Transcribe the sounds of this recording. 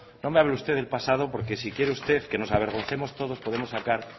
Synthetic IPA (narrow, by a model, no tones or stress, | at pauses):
no̞meaβlust̪e̞ðe̞lpasað̞o̞po̞ɾke̞sikjeɾeust̪e̞θke̞no̞saβ̞e̞ɾɣ̞o̞nθe̞mo̞st̪o̞ðo̞spoðe̞mosːakaɾ